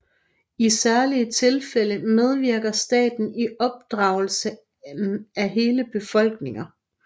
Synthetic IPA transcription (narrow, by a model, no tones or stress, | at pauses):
isæɐliət͡sʰe̝lfeləmeð̞ˠʋiɐɡ̥ɐsd̥ɛ̰ːd̥n̩iʔɒ̽b̥̚d̥ʁɑ̈ʊl̩sə | n̩æɦe̝ːləb̥e̝fɒ̽l̰ɡ̥̚ne̝ŋɐ